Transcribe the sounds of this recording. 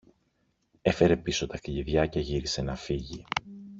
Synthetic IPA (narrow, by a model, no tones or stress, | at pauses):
e̞fe̞ɾe̞piso̞t̪ɐkʎiðʝɐcɐʝiɾise̞nɐfiʝi